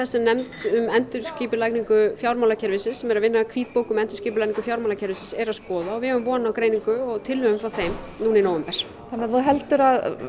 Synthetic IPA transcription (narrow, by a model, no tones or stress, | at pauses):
θɛsːɛmnɛmt̪ʏmɛnt̪ʏɾ̥sciːpʏlajkniŋkʏfjawɾmawlacʰɛɾvɪsɪsɛmɛɾaðvɪnːakʰviːt̪̚poːwkʏmɛnt̪ʏ̥ɾ̥sciːp̬ʏlakniŋkʏfjawɾmawlacʰɛɾvɪsɪsɛɾaskɔːðaɔvɪhɛvʏmvɔːnawkɾeːjniŋkʏɔɣt̪ʰɪlːœɣʏmfɾawθejm | nuːninoːwvɛmpɛɾ̥ | θanːɛaðfoɦɛlt̪ʏɾað